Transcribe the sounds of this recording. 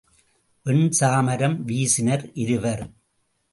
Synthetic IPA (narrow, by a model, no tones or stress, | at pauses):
ʔɪɳsaːmɐɾɐmʋiːsɪnɐɾʔɪɾɯʋɐɾ